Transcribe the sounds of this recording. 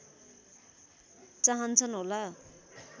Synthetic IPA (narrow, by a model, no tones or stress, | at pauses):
t͡saɦʌnt͡sʰʌnɦola